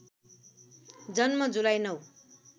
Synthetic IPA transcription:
d͡zʌnmʌd͡zulajnʌw

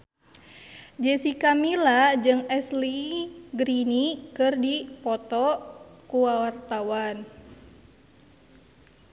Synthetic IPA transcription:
d͡ʒɛsikamilad͡ʒɨŋɛsliɡɾinikɨrdipɔt̪ɔkuwawart̪awan

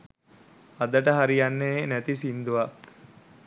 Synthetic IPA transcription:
ad̪əʈəɦaɾijanːenæt̪isind̪uʋak

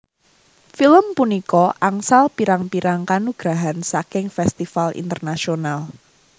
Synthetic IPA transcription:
filəmpunikɔʔaŋsalpiɾaŋpiɾaŋkanuɡ̥ɾaɦansakɪŋfɛst̪ifalḭnt̪ərnasional

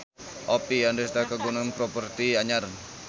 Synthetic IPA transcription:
ʔɔpiandest̪akəɡunanpɾopərt̪iaɲar

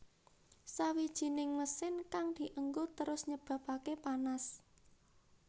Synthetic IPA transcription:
sawid̥ʒ̥i̤nɪŋməsɪnkaŋd̪̥i̤ʔəŋɡot̪əɾʊsɲəb̥ä̤pakepanas

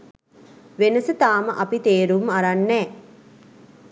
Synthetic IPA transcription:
ʋenəsət̪aːməʔapit̪eːɾumaɾanːɛː

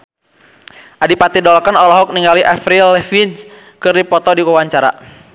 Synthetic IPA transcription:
ʔadipat̪idɔlkanɔlɔɦɔk̚niŋɡaliʔafɾilɛfid͡ʒ | kɨrdipɔt̪ɔdiwawaɲt͡ʃaɾa̰

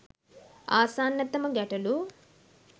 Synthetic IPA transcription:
aːsaːnːɐt̪ɐmɐɡɐʈɐlu

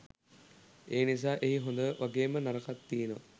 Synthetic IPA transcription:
eːnis̬aːʔeɦiɦond̪əʋaɡeːmənaɾəkat̪ːinəʋa̰

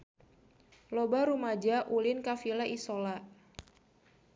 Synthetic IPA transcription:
lobaɾumad͡ʒaʔulɪnkafilaʔisola

